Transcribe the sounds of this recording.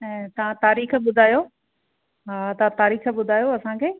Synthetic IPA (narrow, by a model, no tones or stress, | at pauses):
ɛ̃t̪ɐʋ̤ãt̪aːɾiːxɓʊd̪ʱaːjoː | ɦaːt̪ɐʋãt̪aːɾiːxə̆ɓʊd̪ʱaːjoɐsãkʰeː